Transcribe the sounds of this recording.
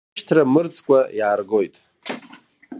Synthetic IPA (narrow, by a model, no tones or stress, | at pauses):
ʃtʰramɨrt͡sʰʼkʷʼajaːrɡo̞jtʼ